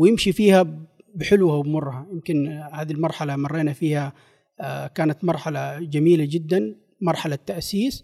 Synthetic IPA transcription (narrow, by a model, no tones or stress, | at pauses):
wjɪmʃifiːha | bɪħɪlwhawbmʊrˤːhajɪmkɪnhaːd̪ilmɑɾˤħalamɑrˤːeːnafiːha | kaːnat̪mɑɾˤħalad͡ʒamiːlad͡ʒɪd̪ːan | mɑɾˤħalat̪ːaʔsiːs